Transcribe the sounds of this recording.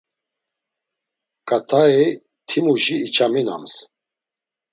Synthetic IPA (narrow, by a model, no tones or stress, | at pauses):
kʼat̪ʰaɛ | t̪ʰimuʒiːt͡ʃʰʼamina̰ms